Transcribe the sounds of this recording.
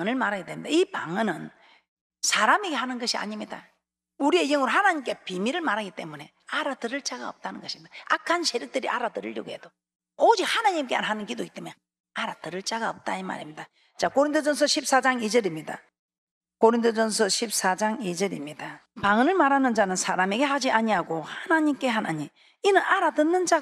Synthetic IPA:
aŋɯnɯɭmaɾaɡet͈emɲidaipaŋɯnɯn | sʰaɾameɡe̞ɦanɯnɡʌɕʰia̰ɲimɲida | uɾie̞jʌŋɯɾohanaɲimk͈e̞pimiɾɯɭmaɾaɡit͈e̞mune̞ | aɾatɯɾɯɭt͡ɕ͈aɡa̰ʌ̰p̚t͈anɯnɡʌɕʰimɲid̥aakʰansʰeɾjʌk̚t͈ɯɾiʔa̰ɾatɯɾɯʎːo̰ɡoed̥o | od͡ʑik̚hanaɲimk͈ea̰nɦanɯnkidoɡit͈e̞mune | aɾatɯɾɯɭt͡ɕaɡaʌp̚t͈aima̰ɾimɲida | t͡ɕakoɾintʰod͡ʑʌns̬ʰʌɕʰip̚s͈ad͡ʑaŋid͡ʑʌɾimɲida̰ | koɾintʰod͡ʑʌns̬ʰʌɕʰip̚s͈ad͡ʑaŋid͡ʑʌɾimɲidapaŋɯnɯɭmaɾanɯnd͡ʑanɯnsʰaɾame̞ɡe̞had͡ʑiʔaɲiaɡohanaɲimk͈e̞ɦanaɲim | inɯnʔaɾadɯnːɯnd͡ʑa

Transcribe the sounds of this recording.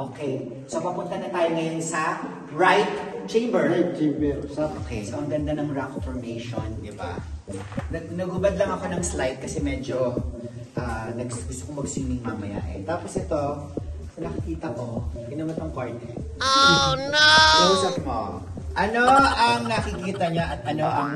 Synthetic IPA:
ʔokɛj | sopɐpʊnt̪ɐnɐt̪aːjoŋɐjonsɐ | ɹajt̪t͡ʃẽjmbɛɹ̚t͡ʃebɛokesomɐɡɐnd̪anɐŋɹakfoɹmejʃond̪ɪba̰ | nɐɡnɐɡʊbɐd̪lɐŋɐko̞nɐŋslajt̪̚kɐsɛmɛːd͡ʒo̞ | ʔanɐɡsɡʊst̪okomɐɡsiːmɪŋmamɐja̰ʔɛ̰t̪aːposʔɛt̪o̞ | sɐnɐkɐkiːt̪ɐko̞ɡɪnɐmɐt̪ɐŋkoɹt̪ɛ | nɐʔuːsɐp̚mo̰ | ʔɐno̞ʔɐŋnɐkɪkiːt̪ɐɲoʔɐt̪̚ʔɐno̞ʔɐŋ

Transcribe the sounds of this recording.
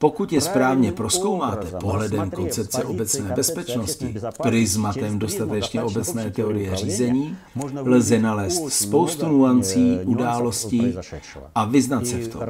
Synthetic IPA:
po̞kut̪jɛspɾaːvɲɛpɾo̞sko̞wmaːt̪ɛpo̞ɦlɛdɛmko̞nt͡sɛp̚t͡sɛʔo̞bɛt͡snɛːbɛspɛt͡ʃno̞scɪpɾɪzmat̪ɛmdo̞st̪at̪ɛt͡ʃɲɛʔo̞bɛt͡snɛːt̪ɛo̞ɾɪjɛr̝iːzɛɲiːlzɛnalɛːst̪spo̞wst̪unuant͡siːʔudaːlo̞sciː | ʔavɪznat̪sɛft̪ʰo̞̰m

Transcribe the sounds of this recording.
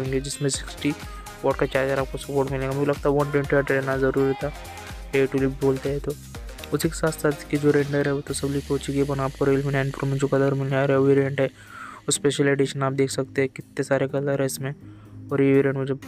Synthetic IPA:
ẽːŋɡed͡ʒɪsmẽsɪ̥ksʈi | ɔːʈkat͡ʃaːɾd͡ʒəɾaːp̚kosɐpoːɾʈmɪlẽŋɡamʊd͡ʒilɐɡ̚t̪aɦɛʋɐɳʈwẽɳʈiaʈɾɛnazɐɾuːɾit̪ʰa | ɖeːʈulibʱiboːlt̪eɦɛt̪o | ʊsikesaːt̪saːt̪kid͡ʒoːɾẽːɳɖəɾɦɛʋot̪osɐblikoːt͡ʃiɡebɐnaːp̚koɾeːlminaːɪɳpɾomẽd͡ʒoːkɐləɾmɪlaːɾeʋiɾẽːɳʈɦɛ | ɔspeːʃəleːɖɪʃənaːp̚d̪eːkʰsɐk̚t̪eɦɛ̃kɪt̪nesaːɾeɡɐləɾɦɛɪsmẽɔːɾjeʋiɾẽːɳʈmʊd͡ʒʱe

